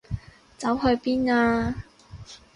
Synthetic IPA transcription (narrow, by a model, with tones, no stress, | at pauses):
t͡sɐ˨˥wɦɵ˧ɥpiː˥naː˧